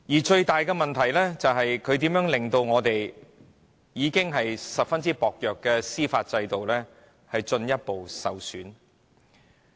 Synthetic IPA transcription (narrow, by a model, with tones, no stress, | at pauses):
jiː˨˩t͡ʃɵ˧ɥt̪aː˨jkɛ˧mɐ˨nt̪ʰɐ˨˩jlɛː˥t͡sɐ˨wɦɐ˨jkʰɵ˨˧ɥt̪iː˨˥mjœː˨˥ŋlɪ˨˩ŋt̪o˧wŋɔː˨˧t̪e˨j | jiː˨˧kɪ˥ŋɦɐ˨jsɐ˨p̚fɐ˥nt͡siː˥pɔː˨k̚jœː˨kːɛː˧siː˥faː˧t̚t͡sɐ˧jt̪o˨wlɛː˥ | hɐ˨jt͡ʃɵ˧njɐ˥t̚po˨wsɐ˨wsyː˨˥n